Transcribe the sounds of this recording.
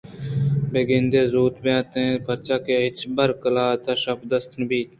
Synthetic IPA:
beːɡẽnd̪eːzuːt̪beãːt̪ẽːbʰɐɾt͡ʃaːkeːɦɪt͡ʃbɐɾkəlaːt̪aːʃɐpd̪əst̪ʰnbiːt̪

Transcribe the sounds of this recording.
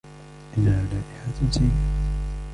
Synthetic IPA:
ʔɪnhaːlaːʔɪħat̪ʊt̪i

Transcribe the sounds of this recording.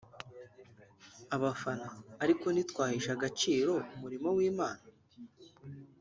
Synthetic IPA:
aβafanaːɾiko̞nitkwaːhiʃaɡat͡ʃiːɾo̞umuɾimowiːmaːna

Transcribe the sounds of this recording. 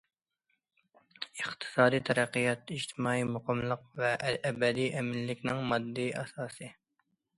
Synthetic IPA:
əχt̪ʰɨ̥sɑːd̪ijt̪ʰɛɾæqːijɑt̪iʃt̪ʰɪmɑːimʊqɑmlˠəqvɛʔʔːbɛd̪iʔɛmɪlːɪkʲnɪŋmɑd̪ːɨɑ̰sɑːsɨ

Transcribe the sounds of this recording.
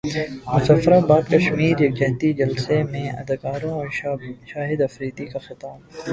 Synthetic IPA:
mʊsafɾaːbaːd̪kɐʃmiːɾjɐk̚d͡ʒɛɦt̪id͡ʒɐlsemẽʔɐ̰d̪akaːɾõɔːɾʃaːɦɪd̪ɐfɾiːt̪ikaxɪt̪aːl

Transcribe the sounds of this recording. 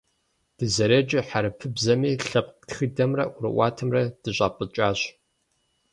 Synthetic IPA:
d̥ɨzɐɾeːd͡ʒʼɪħaɾɐpʰɨbzɐmiːɬɐp̚ʼtxidɐmrɐʔʊɾɨ̰wʷaːtʰɐmrɐd̥ɨɕʷʼaːpʼɨt͡ʃʼaːɕ

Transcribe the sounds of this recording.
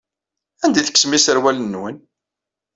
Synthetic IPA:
ænd̪iθə̥kːsmisəɾwælənːwən

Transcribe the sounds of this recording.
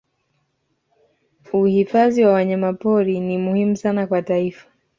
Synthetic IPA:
uhifaziwawaɲamapɔɾinimuhimusanakwataifḁ

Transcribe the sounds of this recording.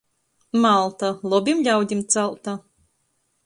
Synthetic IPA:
malˠt̪alˠɔbʲimʎʲawd̪ʲimt̪salˠt̪a

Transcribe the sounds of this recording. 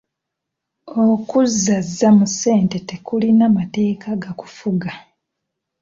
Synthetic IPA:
okuzːazːamuse̞ːntete̞kulinamate̞ːkaɡaku̥fuɡa

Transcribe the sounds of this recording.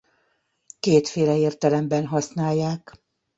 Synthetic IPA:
keːt̪feːlɛeːrt̪ɛlɛmbɛnɦɒsnaːjːaːk

